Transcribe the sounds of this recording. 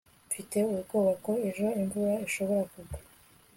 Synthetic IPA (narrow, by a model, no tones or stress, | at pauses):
fite̞uɾuɡoːβako̞e̞ʒo̞embuɾaeʃo̞βo̞ɾakuɡḁ